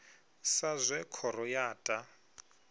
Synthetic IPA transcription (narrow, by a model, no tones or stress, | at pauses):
sazʷɛkʰɔɾɔjaːtʼa